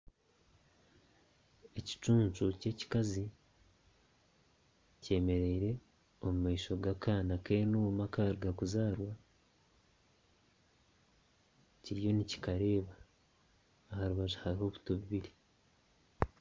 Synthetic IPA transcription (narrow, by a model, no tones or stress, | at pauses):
e̞ci̥t͡ʃuːnt͡ʃuce̞ci̥kazi | ce̞ːme̞ɾe̞ːɾe̞ | omumaiʃo̞ɡakaːnakenumakaɾɡakuzaːɾwa | ciɾijo̞nici̥kaɾe̞ːβa | haɾuβazuhaɾiho̞βu̥toβuβiɾi